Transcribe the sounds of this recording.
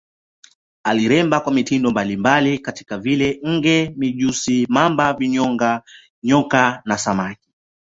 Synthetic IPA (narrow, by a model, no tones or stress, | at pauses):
aliɾɛmbakwamitindɔmbalimbalikati̥kavilɛŋ̩ɡɛmiʄusimambaviɲɔŋɡa | ɲɔkanasamaki̥